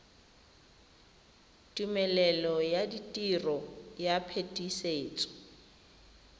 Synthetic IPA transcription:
tʼumɛlɛlɔjaditʼirɔjapʰetʼiseːt͡sʼɔ̥

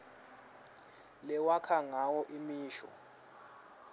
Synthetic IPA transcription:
lɛwakʰaŋawɔʔimiːʃɔ̰

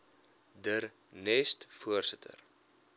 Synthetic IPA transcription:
dəɾ | nɛstfuərsətʰə̰r

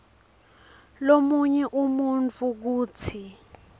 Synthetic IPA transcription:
lomuɲɛʔumunt͡fʰʼuk̬uːt͡sʰi

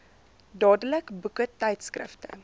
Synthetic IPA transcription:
dɑːdələkbukətɛjtskrə̰ftə̰

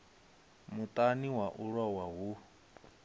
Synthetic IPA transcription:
mut̪ʼaniwaʔuɺwawaɦu

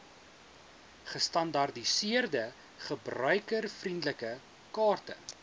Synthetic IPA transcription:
χəstɐndɐrdisiərdə | χəbrœɥkərfrindləkə | kɑːrtə̰

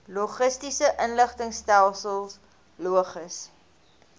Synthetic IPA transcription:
luχəstisəʔənləχtəŋstælˠsəlˠs | luəχəs

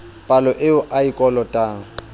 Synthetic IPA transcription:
pʼalɔʔɪʊʔaikʼɔlɔtʼaːŋ̩

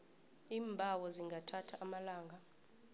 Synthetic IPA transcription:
iːmbʱawɔziŋɡʱatʰatʰaʔːmalaːŋɡʱa

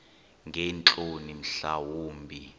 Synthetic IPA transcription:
ŋɡʱɛnt͡ɬʼonim̩ɬawoːmbʱi

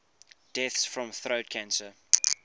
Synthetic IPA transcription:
d̥ɛθsfɹɔ̃mθɹoʊt̚kʰãnsə

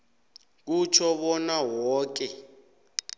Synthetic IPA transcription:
k̬ut͡ʃʰɔɓɔnawɔːk̬ɛ

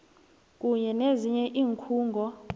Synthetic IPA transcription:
k̬ʼuɲɛneziɲɛʔiːŋkʰuːŋɡʱɔ

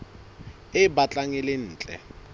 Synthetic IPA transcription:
ɪbat͡ɬʼaŋɛlɪn̩ːt͡ɬʼɛ̰

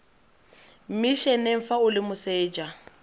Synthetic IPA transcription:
m̩miʃɛneɱ̩faʊlɪmʊseːd͡ʒa

